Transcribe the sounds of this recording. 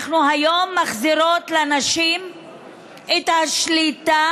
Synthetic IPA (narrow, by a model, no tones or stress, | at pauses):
χnuɦajomːaχziɾot̪lanaʃim | et̪haʃlita